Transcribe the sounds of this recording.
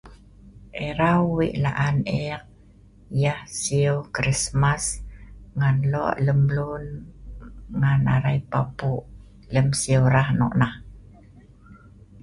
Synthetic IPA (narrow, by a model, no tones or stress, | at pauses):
ʔeɾawːiʔla̰ʔanek̚ | jahsiuwkɾismasŋanlɔ̰ʔləmlun | ŋana̰ɾajpapuʔ | ləmsiuɾahnɔ̰ʔnah